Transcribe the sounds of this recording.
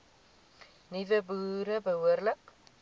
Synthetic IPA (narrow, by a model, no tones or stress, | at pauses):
nivəbuːɾəbəɦuəɾlək